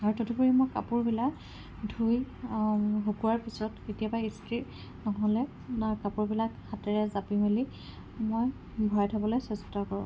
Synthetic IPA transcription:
aɹutotʰupuɹimojka̰pʊɹbilak | dʱuj | ɦokuwaɹpisɔtetijabaisti | nɔɦɔlɛ | kapuɹbilakxatɛɹɛzapimeli | moj | bʱɔatʰabɔlojsɛstɔkɔɹʊ̰̃

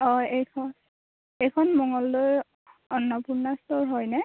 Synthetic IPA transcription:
ɔjejkʰɔn | ejkʰɔnmɔŋɔlːoj | ɔnːɔpuɹnɔstɔɹɦɔjnɛ

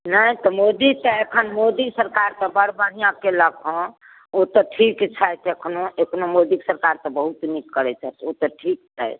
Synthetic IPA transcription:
nəjt̪ɔmod̪it̪ɔekʰənmod̪isəɾkaɾt̪ɔbəɾbəɽijãkeləkʰɔ̃ | ot̪ɔʈʰikt͡ʃʰajt̪ekʰnoekʰnomod̪iksəɾkaɾt̪ɔbəɦut̪nikːəɾɛt͡ʃʰɛt̪ot̪ɔʈʰikt͡ʃʰa̰jt̪

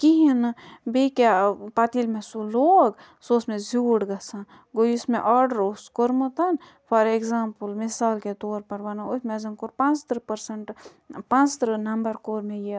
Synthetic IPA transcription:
kiɦinbekapat̪iːlmẽsuloːɡ | soːsmẽzuːɽɡɐsãn | ɡojusmḛ̃ʔaːɖəɾoskoɾmɐt̪ɐn | pʰɐɾekzaːmpəlmɪsaːlket̪oːɾpɐɾʋɐnɐosmezɐnkoɾpãnt͡ʃt̪ɾpɐɾsɐɳʈ | pãnt͡st̪ɾnɐmbɐɾkoːɾmẽji

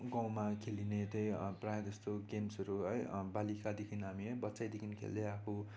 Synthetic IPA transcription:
ɡãw̃makʰelinet̪ʌjprajd͡zʌst̪oɡemsʌɾuɦʌjbalikad̪ekʰinɦamiɦʌjbʌtːsajd̪ekʰinkʰḛld̪ʌjakʰo

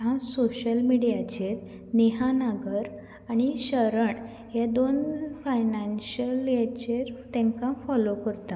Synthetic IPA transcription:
ãsoɕəlmiɽijat͡ɕeɾ | neɦanaɡəɾ | aɽ̃iɕəɾəɳ | jad̪onfajnanɕəljat͡ɕeɾt̪ɛ̃ŋkãfɔlokəɾt̪a

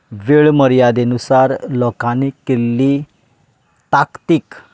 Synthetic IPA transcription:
ʋeɭməɾjad̪enusaɾlɔkãnekelːi | t̪akt̪ik

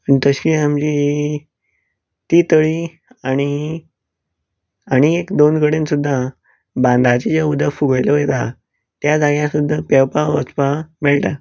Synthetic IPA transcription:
pəɳt̪əɕiːamd͡ʑi | t̪iːt̪əɭiː | aɽ̃i | aɽ̃iekd̪onɡəɽensud̪ʱːa | bãnd̪ʱat͡ɕed͡ʑaud̪əfuɡəjlojet̪a | t̪jad͡zaɡjãsud̪ʱːapɛwpaʋəspameɭʈa

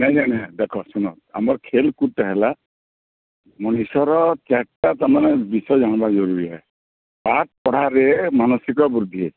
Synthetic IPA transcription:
najnanad̪ɛkʰɔsunɔ̰t̪̚a̰mɔɾkʰelkutːaɦɛla | mɔnisɔɾɔt͡ʃɛk̚tat̪aɾmanɛbisɔjd͡ʒanɔbazɔɾuɾiɦɔj | paʈ̚pɔɽ̤aɾemanɔsikɔbɾud̪ʱie

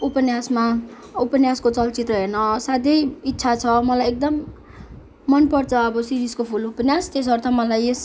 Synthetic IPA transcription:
upʌnjasma | upʌnjaskot͡sʌlt͡sit̪rʌɦernʌsad̪ʱʌjit̪ːsʰat͡sʰʌmʌlajek̚d̪ʌmː | ʌnpʌrt͡sʰʌːbʌsiɾiskopʰulupʌnjast̪es̬ʌrt̪ʰʌmʌlajes

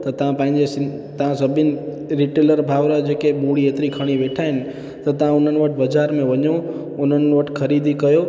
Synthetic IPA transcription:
t̪ɐt̪ɐ̤ãpɐ̃ːɦɪ̃ɲd͡ʑest̪ɐʋ̤ãsɐbʱɪnɪ̆ | ɾɪʈeləɾbʱaːʋɾəd͡ʑeːkemuɽieːt̪ɾikʰɐɽ̃iʋeːʈʰaːɦɪnɪ̆ | t̪ɐt̪ɐʋ̤ãʊn̤ənɪ̆ʋɐʈʰbɐd͡ʒaːɾmẽʋɐɲo | ʊn̤ənʋɐʈʰkʰɐɾiːd̪ʱikɐjo

